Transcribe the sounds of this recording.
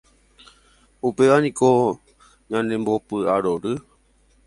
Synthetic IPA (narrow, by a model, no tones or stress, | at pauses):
upeʋanĩko̞ | ɲãnẽmbo̞pɨaɾoɾɨ